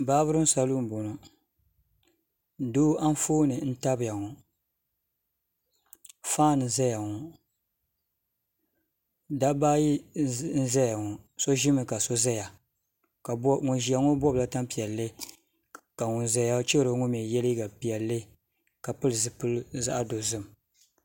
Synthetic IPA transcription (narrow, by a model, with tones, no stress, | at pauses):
baː˦bɨ˦ɾɨ˦m̩˦sa˦lu˦m˨bo˨no˨ | doː˦ʔa˦n˦foː˦nɨ˨n̩˦ta˦bɨ˨ja˨ŋɔ˨ | faː˦˨nɨ˨za˦ja˨ŋɔ˨ | da˦baː˦ji˦n̩˦za˦ja˨ŋɔ˨so˦ʒɪ˦mɨ˨ka˨so˦za˦ja˨ | ka˨bŋʊ˨nʒi˨a˨ŋo˦bɔ˦bla˦ta˦mpi˨ɛ˨lːe˦ | ka˨ŋʊ˨nza˦ja˦t͡ʃi˦ɾo˨˦ŋʊ˦m˨ɛ˨jɛ˦li˦ɡa˨pi˨ɛ˨lːe˦ | ka˨pɨ˦lɨ˨zɨ˨pɨ˦lza̰˦ʔa˦do˨zɨ˦m˨